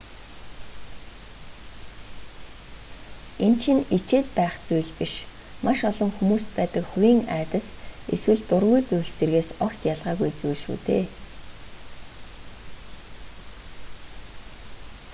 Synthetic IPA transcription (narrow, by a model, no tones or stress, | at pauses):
ent͡ɕʰĭnit͡ɕeːt̪̚pæːχt͡sujɮpiʃ | mʔaʃɔɮɞ̆ŋxumuːst̪pæːt̪ə̆kxuɾʲiːŋæ̰ːt̪ə̆seswɘ̆ɮt̪ʊrɣujt͡sujst͡serɣeːsɔkt̪jaɮʁaːɣujt͡sujɮʃṵːt̪ḛː